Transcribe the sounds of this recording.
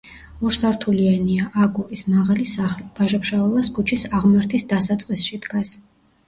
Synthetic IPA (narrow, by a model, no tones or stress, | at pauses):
ɔɾsaɾt̪ʰulianiaʔaɡuɾismaʁalisaχlivaʒapʃavɛlˠasɡut͡ʃʰisaʁmaɾt̪ʰisd̪asat̪sʼqʼisʃid̪ɡas